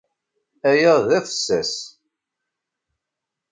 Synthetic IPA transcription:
æjəʁðæfə̥sːæ̰s

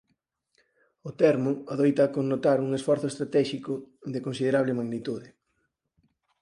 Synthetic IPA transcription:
ʊt̪ɛɾmʊaðojt̪akonːot̪aɾuŋesfɔɾθʊest̪ɾat̪ɛʃikʊðekonsið̞eɾaβlɪmaɣnit̪uðɪ

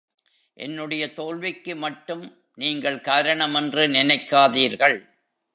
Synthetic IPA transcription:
ʔɛ̰nːɯɽɐjɐt̪oːɭʋɪkːɯmɐʈːɯm | niːŋɡɐɭkaːɾɐɳɐmɛndrɯnɪnɐɪkːaːðiːɾɣɐɭ

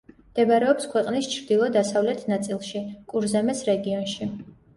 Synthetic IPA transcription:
md̪̥ɛbɾɛɔpskʰwɛqʼnist͡ʃʰɾd̪ilˠɔd̪asavlɛt̪ʰnat̪sʼilˠʃikʼuɾzamɛsɾɛɡiɔnʃi

